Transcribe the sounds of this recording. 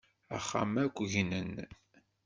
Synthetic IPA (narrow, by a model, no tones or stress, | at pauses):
æ̰χːa̰mækʷːʝnən